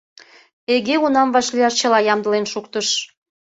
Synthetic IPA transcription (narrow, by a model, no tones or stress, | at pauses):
eɣeunɑmvɑʃlijɑʃt͡ɕə̆lɑjɑmd̪ə̆lenʃukt̪əʃ